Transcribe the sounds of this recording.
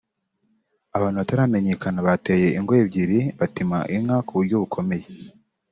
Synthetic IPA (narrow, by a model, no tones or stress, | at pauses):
aβaːnhuβataɾaːme̞ɲe̞kanaβateːje̞ʔiŋɡoebɟiɾiβatima̰ʔiŋakuβuɾɟoβukʰo̞me̞je